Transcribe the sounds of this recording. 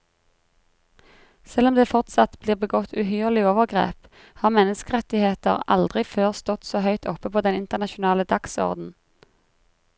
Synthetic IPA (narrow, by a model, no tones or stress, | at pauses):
sɛlɔmd̪eːfɔʁt̪sɑt̪bliːʁbəɡɔt̪ʰʉːɦyːʁlɪoːʋəʁɡʁḛːp | hɑːʁmɛnəskəʁɛt̪ɪheːt̪ə̰ʁɑ̰ld̪ʁɪføːʁst̪ɔt̪soːhœʏt̪ʰɔpəpʰoːd̪ɛnɪnt̪əʁnɑʃʊnɑːləd̪ɑksɔ̰ʁd̪n̩